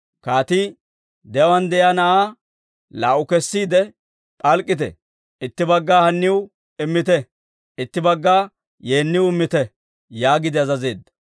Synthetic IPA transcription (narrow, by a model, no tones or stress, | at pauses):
kaːt̪i | d̪ɛwɐnd̪ɛjanɐʔaː | laːʔʊkɛsːiːd̪ɛ | pʼɐlkʼːɪt̪̬ɛ̰ | ɪt̪ːɪbɐɡːaːhɐnːɪʊ | ɪmːɪt̪ɛ | ɪt̪ːɪbɐɡːaː | je̞ːnːɪwɪmːɪt̪ɛ | jaːɡɪd̪ɪɐzɐze̞ːd̪ːɐ̥